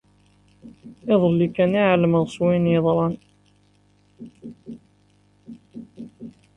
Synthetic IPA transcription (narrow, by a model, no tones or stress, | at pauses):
ɪðˤəlːikːæniʕaləməðswinjəðˤɾˤɑn